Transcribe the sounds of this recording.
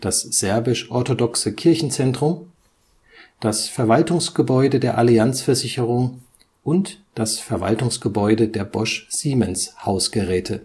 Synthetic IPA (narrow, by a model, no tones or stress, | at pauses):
d̥asz̥ɛɐbɪʃʔɔɐtodɔksəkʰɪɐçn̩t͡sɛntʁ̥ʊm | d̥asfɛɐvaltʊŋsɡ̥əbɔʏdədeːɐʔaliant͡sfɛɐzɪçəʁ̞ʊŋ | ʔʊntd̥asfɛɐva̰ltʊŋsɡ̥əbɔʏdədeːɐbɔʃz̥iːmɛnshaʊsɡ̥əʁɛːtʰə